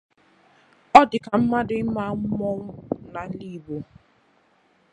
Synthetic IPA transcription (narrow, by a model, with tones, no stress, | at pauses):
ɔ˦dɪ˨ka˨m̩˦ma˦dɪ˦ma˦ŋ̩˦mɔ˦ŋ̩˦na˨˦li˦˨bo˨